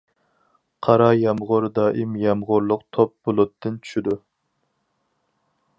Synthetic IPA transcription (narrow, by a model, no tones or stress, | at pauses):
qʰɑɾɑjɑmʁʊɾd̪ɑːʔimjɑmʁʊɾlˠʊqt̪ʰop̚b̥olˠʊt̪ʰːɨnt͡ʃʰy̥ʃid̪u